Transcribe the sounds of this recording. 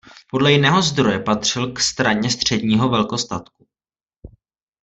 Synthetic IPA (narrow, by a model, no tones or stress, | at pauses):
po̞dlɛjɪnɛːɦo̞zd̪ɾo̞jɛpat̪r̝̥ɪlkst̪ɾaɲɛst̪r̝̥ɛdɲiːɦo̞vɛlko̞st̪at̪ku̥